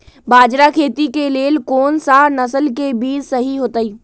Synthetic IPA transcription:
baːd͡ʒɾakʰeːt̪ikeleːlkoːnsaːɾnɐsəlkebiːɾsɐɦiɦoːt̪aiː

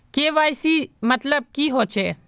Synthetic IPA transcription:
keːʋaːjsiːmət̪ləb̚kiːɦoːt͡ʃeː

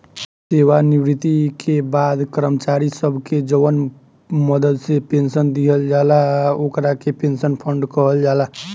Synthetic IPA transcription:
seːʋanɪbɾɪt̪ikʰebaːd̪kəɾəmət͡ʃaɾisəbʱked͡ʒəʋən | məd̪əd̪sepẽnsənd̪iɦəld͡ʒaːlaokɾakepẽnsənpʰəɳɖkəɦəld͡ʒaːla

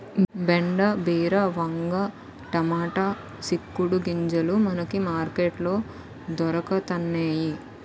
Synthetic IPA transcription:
beɳɖɐbiːɾɐʋɐŋɡɐ | ʈɐmaːʈa | sikːuɽuɡiɲd͡ʒɐlumɐnɐkimaːɾkeːʈlo̞ː | d̪ɔɾɐkɐt̪ɐnːeːji

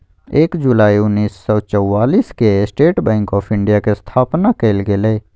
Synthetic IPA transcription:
eːkd͡ʒulaːiʊnːiːsːɔt͡ʃəwːaːliːskesʈeːʈbɛ̃ːŋkɔːpʰɪ̃ɳɖijakest̪ʰaːpnakeɪlɡele

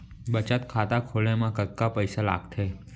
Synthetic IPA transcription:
bət͡ʃat̪kʰat̪akʰolemãkəkːapəjsala̰ɡt̪ʰe

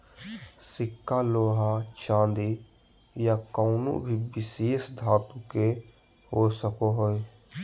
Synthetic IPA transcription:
sɪkːaloːɦat͡ʃãːnd̪i | jakɔʊno̰bʱibɪseːsd̪ʱaːt̪ũke | ɦosəkoɦoe

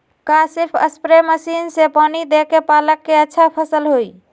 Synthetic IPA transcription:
kasiɾpʰə̰spɾeməsinsepanid̪ekepaləkːeətːʃʰapʰəsəlɦoj

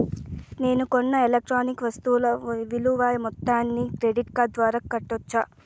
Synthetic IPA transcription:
ne̞ːnukonːɐelek̚ʈɾaːnikʋɐst̪uːlɐʋiluʋaːjɐmɔt̪ːaːnːikɾeɖiʈkaːd̪ʋaːɾaːkːɐʈːot͡ʃːaː

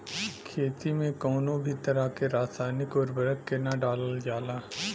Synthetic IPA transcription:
kʰeːt̪imẽkɔːnõbʱit̪əɾakeɾaːsaːnɪkɔːɾbɐɾəkːenaɖaːləld͡ʒaːlaː

